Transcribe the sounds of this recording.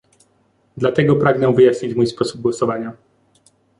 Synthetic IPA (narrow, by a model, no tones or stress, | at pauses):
d̪lat̪ɛɡɔpɾaɡnɛ̃vɘjaɕɲit͡ɕmujspɔsub̚ɡwɔsɔvaɲa